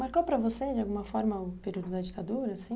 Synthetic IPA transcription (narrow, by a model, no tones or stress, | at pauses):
maɾkopɾɐvosed͡ʒɪawɡũmɐfɔɾmɐʊpeɾiwd̪ʊd̪ɐd͡ʒit̪ad̪uɾɐsĩ